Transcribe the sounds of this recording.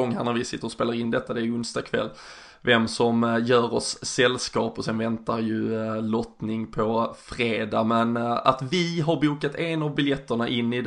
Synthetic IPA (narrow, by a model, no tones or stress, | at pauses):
ɔŋːhæ̰ɳæɾvɪsɪt̪ːəɾɔspeːlaɾɪnːd̪ɛt̪ːad̪ɛæɾɪɵnst̪ɑkʰvɛ̰lː | vɛmsɔmjœːɾɔsːɛlːskɑːpɔsɛnvɛnt̪aɾjɵlɔt̪nɪŋpʰɔfɾeːd̪amɛna̰t̪vɪɦaɾbuːkat̪enavbɪljɛt̪ʰːəɳaʔɪnːɪd̪